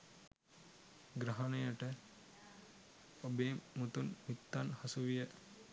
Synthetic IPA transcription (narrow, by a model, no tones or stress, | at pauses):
ɡɾɐɦɐnejəʈə | obeːmut̪unmit̪ːanhɐsuʋijə